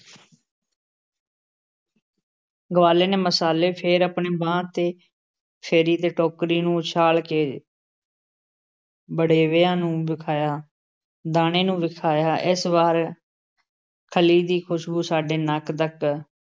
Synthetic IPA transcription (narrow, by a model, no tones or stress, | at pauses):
ɡəʋaːleːneːməsaːleːpʰɪɾəpɳeːbãːt̪eː | pʰeːɾiːt̪eːʈoːkɾiːnũːt͡ʃʰaːlkeː | bəɽeːʋeːãːnũːbɪkʰaːjaː | d̪aːneːnũːʋɪkʰaːjaːʔɪsʋaːɾ | kʰəliːd̪iːkʰʊʃbuːsaːɖeːnəkd̪ək